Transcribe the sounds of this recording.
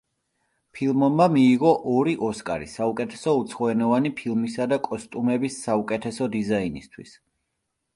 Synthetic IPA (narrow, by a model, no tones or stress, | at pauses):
pʰilˠmɔbmamiːʁɔʔɔɾiʔɔskʼa̰ɾḭsaukʼɛt̪ʰɛ̥sɔut̪sʰχɔɛnɔvanipʰilˠmisad̪akʼɔst̪ʼumɛbisːaukʼɛt̪ʰɛsɔd̪izainist̪ʰwḭs